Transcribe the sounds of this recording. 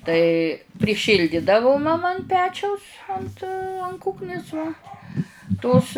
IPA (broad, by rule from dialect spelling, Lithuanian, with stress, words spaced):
tɐɪ pʲrʲɪˈʃʲiːlʲdʲɪdɐʋʊ mɐˈmɐ ɐn ˈpʲæːt͡ʃʲɛʊs ˈɐnt ɐn ˈkuːknʲɪs ʋɐ ˈtoːs